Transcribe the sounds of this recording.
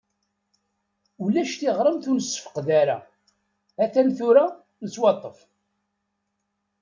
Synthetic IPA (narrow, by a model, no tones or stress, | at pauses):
ulæʃt̪ɪʁɾˤəmθunəsːə̥fə̥qðaɾa̰ | æθænθuɾa | nət͡sːwɑt̪ˤːəf